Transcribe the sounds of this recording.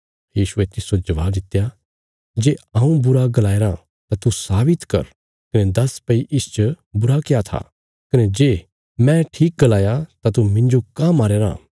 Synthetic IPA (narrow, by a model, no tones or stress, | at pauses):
jiːʃʊet̪ɪsod͡ʒɐʋa̰ːbd̪ɪt̪eja | d͡ʒeːãːũbʊɾaɡɐlaːeɾã | t̪at̪usaːbɪt̪kɐ̰ɾ | kɐned̪ɐspɐiʔɪst͡ʃə | bʊɾakejat̪ʰa̰ː | kɐned͡ʒeː | mɛ̃ʈʰiːk̚ɡɐlaːjat̪at̪umɪ̃ɲd͡ʒokãmaːɾeːɾã̰ː